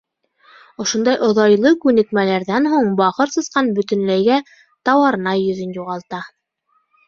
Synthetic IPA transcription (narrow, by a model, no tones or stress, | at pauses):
ŏʃŏnd̪ɑjʔŏðɑjlˠɤkʉnɘ̆kmælæɾðænɦuɴbɑqɤɾsɤ̆sqɑnbɵ̆t̪ɘ̆nlæjɡæ | t̪ɑwɑɾɤ̆nɑjɵ̆ðɵnjuʁɑlˠt̪ɑ